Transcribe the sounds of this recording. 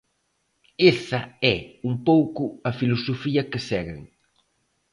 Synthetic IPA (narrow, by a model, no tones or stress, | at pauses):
esɐɛumpowkʊɐfilosofiɐkɪsɛɣḛŋ